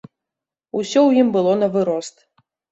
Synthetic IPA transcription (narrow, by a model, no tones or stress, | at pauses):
usʲɔwjimbɨlˠɔnɐvɨɾɔst̪